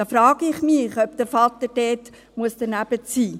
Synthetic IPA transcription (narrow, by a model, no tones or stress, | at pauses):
ɑːfɾɑːɡ̥əɪχmɪχœp̚d̪əɾfɑt̪ədɛːt | muəsd̥̪ənæb̥ət͡siː